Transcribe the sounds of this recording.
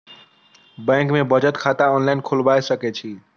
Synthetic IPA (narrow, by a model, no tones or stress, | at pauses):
bɛ̃ŋkmẽbəd͡ʒət̪kʰat̪aɔnlaɪnkʰolbajsəkɛt͡ʃʰi